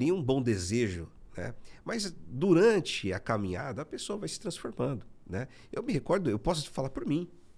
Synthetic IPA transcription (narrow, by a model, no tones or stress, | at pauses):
ɾĩɐũbõw̃d̪ezeʒʊnɛ̰mɐzd̪uɾɐ̃t͡ʃɪɐkamĩɲa̰d̪ɐɐpesoɐvajsɪ̥t̪ɾɐ̃sfoɾmɐ̃nd̪ʊnɛ | ewmɪhekɔɾd̪ʊewpɔsʊt͡ʃɪ̥falaɾpʊɾmĩ